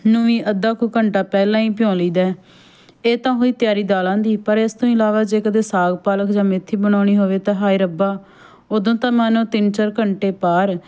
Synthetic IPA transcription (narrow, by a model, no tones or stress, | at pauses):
nʊĩːʔəd̪aːkuːkəɳʈaːpɛːlãːĩːpɪjõːliːd̪ɛː | eːt̪ãːɦoːiːt̪jaːɾiːd̪aːlãːd̪iːpəɾest̪õːɪlaːʋaːd͡ʒeːkəd̪eːsaːɡpaːləkd͡ʒãːmɪt̪ʰːiːbəɽ̃aːɽ̃iːɦoːʋeːt̪ãːɦaːiːɾəbaː | oːd̪õːt̪ãːmaːnõːt̪ɪnt͡ʃəɾkəɳʈeːpaːɾ